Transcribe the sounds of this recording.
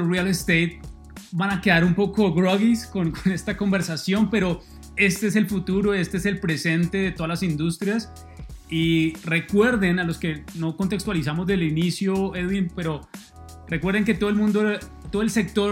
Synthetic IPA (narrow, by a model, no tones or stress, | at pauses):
rialest̪ejt̪̚ | banakeðaɾumpo̞ko̞ɡɾoɣiskonkone̞st̪ako̞mbe̞ɾsasjo̞mpe̞ɾo̞ | e̞st̪ees̬e̞lfut̪uɾo̞est̪eeselpɾe̞se̞nt̪e̞ðet̪o̞ð̞alasind̪ust̪ɾjas | ire̞kwe̞ɾðe̞nalo̞ske̞no̞ko̞nt̪e̞kst̪walis̬amo̞zd̪elinisjoeðwinpe̞ɾo̞ | re̞kwe̞ɾðeŋke̞t̪oðelmũnd̪o | t̪oðoelse̞k̚t̪o̞